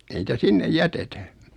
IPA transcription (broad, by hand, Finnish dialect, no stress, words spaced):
ei nitæ sinːej jætetæ